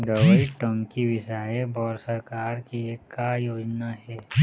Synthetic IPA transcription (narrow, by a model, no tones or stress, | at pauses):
d̪əʋəjiʈə̃ŋkiʋɪʃaːebɔːɾsəɾkaːɾkieːkːajoːd͡ʒnaɦɛː